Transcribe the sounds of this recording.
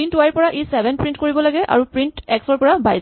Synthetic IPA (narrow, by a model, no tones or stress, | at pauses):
intwajpɔɹaʔesɛbʱɛnpɹintkoɹibɔlaɡɛʔʔa̰ɹupɹintɛksɔɹpɔɹabajz